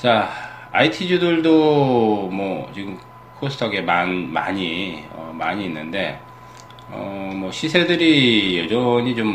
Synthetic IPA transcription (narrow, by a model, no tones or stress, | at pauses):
t͡ɕaa̰itʰid͡ʑudɯɭdo | mwʌt͡ɕiɡɯm | kʰosʰtʰʌɡe̞manma̰ɲiʌ̰maɲiːnːɯnde̞ | ʌ̰mwʌɕʰisʰe̞dɯɾijʌd͡ʑʌɲit͡ɕom